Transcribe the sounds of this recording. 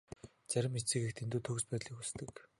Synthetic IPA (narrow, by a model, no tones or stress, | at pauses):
t͡sæɾʲɪ̆mit͡sɘ̆xekt̪ʰent̪uːt̪ʰɵɣspæːt̪ɮiːxust̪ɘ̆k